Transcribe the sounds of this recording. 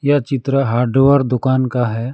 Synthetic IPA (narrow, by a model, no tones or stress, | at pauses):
jat͡ʃɪt̪ɾəɦaːɾɖʋəɾd̪ʊkaːnkaɦɛ